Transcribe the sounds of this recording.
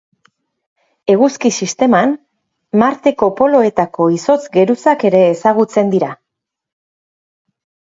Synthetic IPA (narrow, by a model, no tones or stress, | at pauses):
e̞ɣuskisist̪e̞man | maɾt̪e̞ko̞po̞lo̞e̞t̪ako̞iso̞t͡sɡe̞ɾusake̞ɾe̞ːsaɣ̞ut͡se̞nd̪iɾa